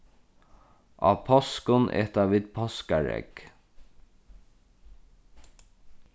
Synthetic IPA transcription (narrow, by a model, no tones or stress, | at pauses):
ʔɑ̰ːpʰɔskʊnʔɛ̰t̪ɑʋiːd̪pʰɔskaɹɛ̰k